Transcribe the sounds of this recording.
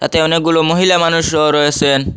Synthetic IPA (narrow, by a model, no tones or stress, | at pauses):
t̪a̰t̪eɔnek̚ɡulomoɦilamanuʃoɾɔet͡ɕʰen